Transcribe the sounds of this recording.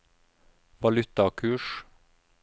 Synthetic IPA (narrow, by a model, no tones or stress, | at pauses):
ʋɑlʉt̪ɑkʰʉːʃ